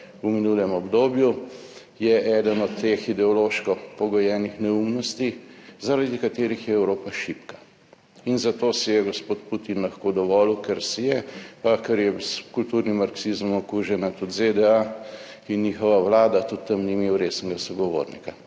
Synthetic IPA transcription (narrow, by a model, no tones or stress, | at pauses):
uminulɛmɔbd̪oːbju | jɛʔɛːd̪ənɔt̪ːexid̪ɛɔloʃkɔpɔɡɔjɛːnixnɛumnɔst̪izaɾad̪ikat̪eːɾixjɛɛwɾoːpaʃipka | inzat̪oːsɛjɛɡɔspot̪put̪inlaxkod̪ɔʋɔːlukɛɾsijɛpakɛɾjɛskult̪uːɾnimːaɾksizmɔmɔkuːʒɛnat̪ut̪zed̪ɛa | inniːxɔʋawlaːd̪at̪ut̪ːɐmnimewɾesnɛɡasɔɡɔʋo̰ːɾnḭka